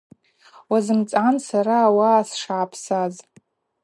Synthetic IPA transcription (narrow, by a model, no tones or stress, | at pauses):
wazɨmt͡sʼansaɾaːwaːsʂaʕapʰsaz